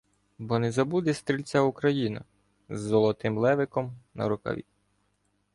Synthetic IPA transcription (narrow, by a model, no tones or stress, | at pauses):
bɔnɛzɐbud̪ɛst̪ɾʲilʲt͡sʲaukɾɐjinɐ̰ | zːɔlˠɔt̪ɪmlˠɛʋɪkɔmnɐ̰ɾʊkɐ̰ʋʲḭ